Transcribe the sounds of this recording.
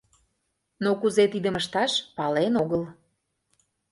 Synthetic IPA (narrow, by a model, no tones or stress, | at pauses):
nokuzet̪id̪ə̆məʃt̪ɑʃpɑlenoɣəl